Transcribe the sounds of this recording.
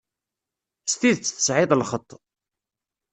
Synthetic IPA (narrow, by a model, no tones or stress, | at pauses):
st̪iðt͡sːθə̥sʕɪðˤlχət̪ˤː